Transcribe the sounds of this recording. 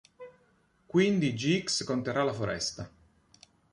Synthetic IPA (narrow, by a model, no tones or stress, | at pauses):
kwind̪id͡ʒiikskont̪eɾalafoɾɛ̰st̪a